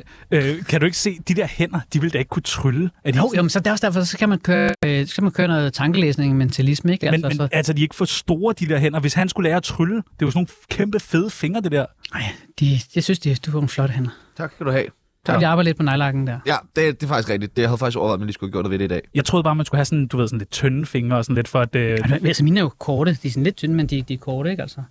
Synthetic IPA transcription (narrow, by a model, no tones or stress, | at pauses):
økʰæɾue̝ɡ̥ə̥se̝̰ːd̥id̥eɐ̰hen̰ɐd̥iʋe̝ld̥æe̝ɡ̥ə̥kʰut͡sʰʁyləæɐd̥iomnsɒ̽d̥æɐɒsd̥æɐfɒsɒ̽kʰæmænkʰøːɐkʰæmænkʰøːɐnɔ̽ːð̩ˠt͡sʰɑ̈ŋɡ̥əlḛːsne̝ŋment͡sʰælisməe̝ɡ̥æl̰mesɒælsɐd̥ie̝ɡ̥əfɒ̽sd̥o̰ːɐd̥id̥eɐɦen̰ɐʋe̝shænsɡ̥ulɛːɐt͡sʰʁyləd̥e̝ʋɑsnoːnkʰemb̥əfeð̞ˠəfe̝ŋɐd̥e̝d̥ɛɐ̰ɑɪ̰d̥ijɑsynsd̥id̥uɑenflɒ̽ɾ̥əen̰ɐt͡sʰɑ̈ɡ̥skæd̥uhɛ̰ | d̥iɑbɑ̈ɪəled̥̚pʰɒnɑ̈ɪlɑ̈ɡ̥n̩d̥æɐ̰jæd̥e̝d̥e̝fɑ̈ɡ̥isɡ̥ʁɛɡ̥̚d̥id̥ejhæð̞̩ˠɑ̈ɡ̥isɡɒʋɑ̈ðˠmenlisɡ̥uhæɡjo̰ɐdðeʋe̝ɾ̥eidɛ̰ːjɑ̈ɪt͡sʰo̝ðˠb̥ɑ̈ːmænsɡ̥uhæsɒ̽nd̥uʋe̝ð̞ˠsnled̥t͡sʰœnfe̝ŋɐɒsɒ̽n̩le̝d̥fɒ̽æd̥øælsɐminəæɐjo̝kʰɒːɾ̥əd̥isn̩led̥̚t͡sʰønəmend̥id̥iɐkʰɔːɾəe̝ɡ̥æl̰sɒ